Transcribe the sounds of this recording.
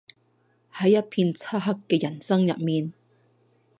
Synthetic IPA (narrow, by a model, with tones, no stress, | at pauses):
hɐ˨˥jːɐ˥t̚pʰiː˧nt͡sʰaː˥ɦɐ˥kːɛː˧jɐ˨˩nsɐ˥ŋjɐ̰˨t̚miː˨˧n